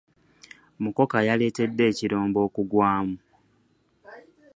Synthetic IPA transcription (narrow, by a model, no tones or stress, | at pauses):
muko̞kajale̞ːte̞dːe̞ːciɾoːmbo̞ːkuɡwaːmu